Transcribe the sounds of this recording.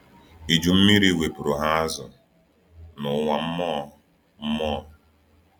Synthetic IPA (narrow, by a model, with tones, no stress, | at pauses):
i˨d͡ʒu˨m̩˦mi˦ɾi˦˨we˨pʊ˨ɾʊ˨ɦa˦a˦zʊ̰˨ | nʊ˨ŋʷa˨m̩˦mɔ˦ | m̩˦mɔː˦